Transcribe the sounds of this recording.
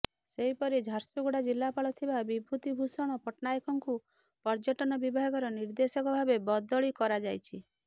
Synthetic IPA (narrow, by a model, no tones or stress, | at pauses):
seɦipɔɾid͡ʒʱaɾsuɡuɽad͡ʒilːapaɭɔt̪ʰibabibʱut̪ibʱusɔɽ̃ɔpɔʈnajikɔŋku | pɔɾd͡ʒɔʈɔnɔbibʱaɡɔɾɔniɾd̪esɔkɔbʱabebɔd̪ɔɭikɔɾad͡ʒajt͡ʃʰi